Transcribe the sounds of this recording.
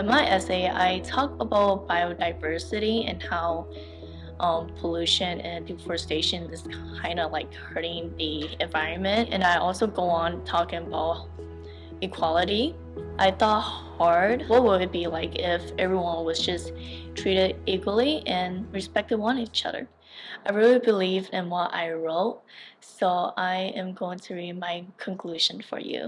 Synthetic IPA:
ɨ̃nmaɪʔɛseɪa̰ɪtʰɔk̚əbaʊt̚b̥aɪoʊdaɪvɜ˞sɨɾiɨ̰̃nhaʊ | ʔʌ̃mpʰəlʉʃɨ̃nɨ̃ndɨfə˞steɪʃɨ̃nɨz̥kʰ | ãɪ̃ndʌlaɪkhɜ˞ɾɪ̃ŋðiɨ̃ɱvaɪɹɨ̃nmɨ̃ntɨ̰̃naɪʔɔ̰lˠsoʊɡoʊə̃ntʰɔkɪ̃ŋəbaʊt̚ | ɨkʰw̥ɑlˠəɾi | ʔaɪθɔt̚h | ɑɹdwʌt̚wəd̚bilaɪkɪfɛvɹiwʌ̃nwʌzd͡ʒʌsttʰɹ̥iɾɪɾikwl̩ˠiʔɨ̃nɹɨspɛk̚tɨdə̃nit͡ʃʌ̰ðə̰˞ | ʔaɪɹɪlˠibɨlivdɨ̃nwʌɾʔa̰ɪɹoʊt̚ | soʊʔaɪʔɨ̃mɡoʊɪ̃ŋtʰɨɹid̚maɪkʰə̃nkʰl̥ʉʒ̥ɨ̃nfə̰˞jʉ̰

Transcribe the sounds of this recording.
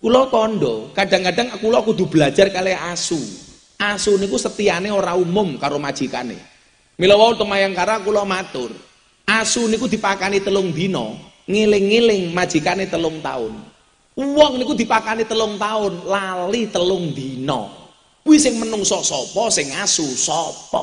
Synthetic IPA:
kulɔkɔnɖɔkaɖ̥a̤ŋkaɖaŋkulɔkud̪̥ṳb̥əlḁd͡ʒ̥a̤rkaleasu | ʔasunikusət̪ianeoɾaumʊmkaɾomad̥d͡ʒ̥ika̰nḛ | milɔwault̪əmajaŋkaɾakulɔmat̪ʊr | ʔasunikud̪̥i̤pakanit̪əlʊŋnd̪inɔ̰ | ŋelɪŋːelɪŋmad̥ʒ̥i̤kanet̪əlʊŋt̪a̰ʊ̰n | wɔŋnikud̪̥i̤pakanit̪əlʊŋt̪aʊnlalit̪əlʊŋnd̪inɔ̰ | wisɪŋmənʊŋsɔsɔpɔsɪŋasusɔpɔ̰

